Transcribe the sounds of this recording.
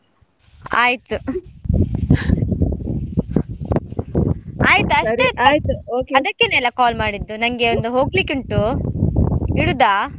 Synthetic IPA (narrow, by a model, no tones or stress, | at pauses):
aːjit̪u | aːjit̪uɐʂejt̪uoːkɐd̪ɐkːenelːɐkaːlmaːɽid̪ːunɐŋɡeond̪uɦo̞ːɡlikuɳʈu | iɽud̪aː